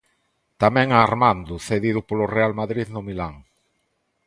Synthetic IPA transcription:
t̪amɛ̃ŋaːɾmãnd̪ʊθeðiðʊpolʊrealmaðɾiðnʊmilaŋ

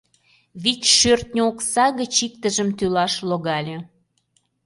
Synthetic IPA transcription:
βitʲʃørt̪̚nʲoksɑɣət͡ɕik̚t̪ə̆ʒəmt̪ylɑʃloɣɑlʲe

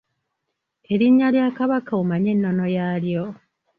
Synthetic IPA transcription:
e̞ɾiɲːaljaːkaβakaumaɲe̞nːo̞no̞jaːljo

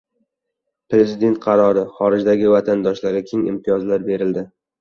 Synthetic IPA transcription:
pɾe̞zɪd̪e̞nt̪̚qʰɑɾɒɾɪχɒɾɪd͡ʒd̪aɡʲɪvat̪ʰand̪ɒʃlaɾʲɪkʲʰeŋɪ̰mt̪ʰɪjɒzlaɾbe̞ɾɪld̪ɪ

